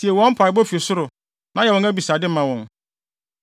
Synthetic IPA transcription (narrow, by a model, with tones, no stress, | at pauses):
si˨e˨wɔ̃˦m̩˦pʰa˨ɪ˨˦bɔ˦fi˨o˨sʊ˦ɾʊ˨ | nã˨˦jɛ˨wɔ̃˨ŋæ˦bi˨sa˨dɪ˦mã˨wɔ̃˨n